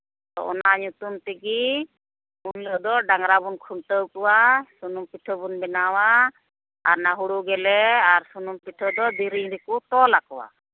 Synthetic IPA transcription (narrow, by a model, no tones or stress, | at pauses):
t̪ɔ̰ʔɔnaɲut̪umt̪ɛɡi | uɲlɔd̪ɔɖaŋɾabunkʰuɳʈəwkɔwasunumpiʈʰəbunbɛnawaː | ɾnaɦuɽuɡɛlɛaɾsunumpiʈʰɔd̪ɔd̪iɾiɲɾɛkut̪ɔlakɔwa̰